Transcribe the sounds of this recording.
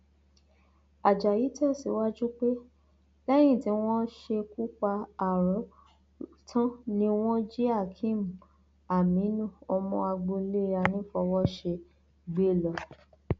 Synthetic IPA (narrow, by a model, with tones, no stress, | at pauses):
a˨d͡ʒa˨ji˨˦tɛ˦˨si˨˦wa˦d͡ʒu˦k͡pe˦ | lɛ˦j̃ĩ˦˨ti˨˦w̃ɔ̃˦ʃe˧ku˦k͡pa˧a˨ɾɔ̃˨˦ | tʰã˦nĩ˧w̃ɔ̃˦d͡ʒi˦a˦˨kʰĩ˦m̩˨ | a˨mĩ˨˦nũ˦˨ɔ˧mɔ̃˧a˧ɡ͡bõ˧le˦ɾa˧nĩ˦fɔ˧wɔ˦ʃe˧ | ɡ͡be˦˨lɔ˨